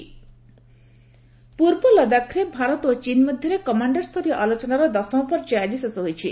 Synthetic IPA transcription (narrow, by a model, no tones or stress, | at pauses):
puɾbɔlɔd̪akʰɾebʱaɾɔt̪ot͡ʃinmɔd̪ʱjɔɾekɔmaɳɖɔɾst̪ʰɔɾijɔʔalot͡ʃɔnaɾɔd̪ɔsɔ̃pɔɾd͡ʒad͡ʒisɔsɔɦojt͡ʃʰi